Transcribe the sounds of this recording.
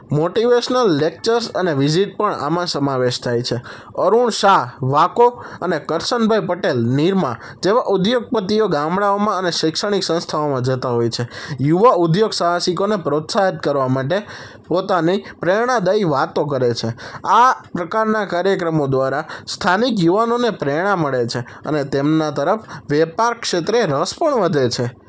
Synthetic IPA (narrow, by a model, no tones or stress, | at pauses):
moʈiʋeʃnəlːek̚t͡ʃəɾsəneʋiziʈ̚pəɳa̰mãsəmaʋeʃt̪ʰajt͡ʃʰe | əɾuɳʃaʋakoənekəɾʃənbʱajpəʈelniɾmã | d͡ʒeʋaʔud̪joɡ̚pət̪ioɡamɽaomãəneʃɪkʃəɽ̃iksə̃ñst̪ʰaomãd͡ʒət̪aɦojt͡ʃʰejuʋaud̪joɡsəɦasikonepɾot̪saɦət̪̚kəɾʋamaʈe | pot̪anipɾeɽ̃ad̪əiʋat̪okəɾet͡ʃʰeapɾəkaɾnakaɾjəkɾəmod̪ʋaɾast̪ʰanikjuʋanonepɾɛeɽ̃aməɭet͡ʃʰe | ə̰net̪emnat̪əɾəfʋɛpaɾkʃet̪ɾeɾəspəɳʋəd̪ʱet͡ʃʰe